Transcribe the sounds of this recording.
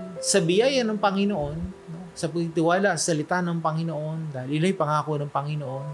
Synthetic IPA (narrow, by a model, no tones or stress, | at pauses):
sɐbɪjajɐnɐŋpɐŋɪnoʔo̞nːo̞sɐpɐɡ̚t̪ɪwaːlɐʔsɐlɪt̪anɐŋpɐŋɪnoʔo̞nd̪aːhɪlʔɪlojpɐŋaːkonɐŋpɐŋɪnoʔo̞n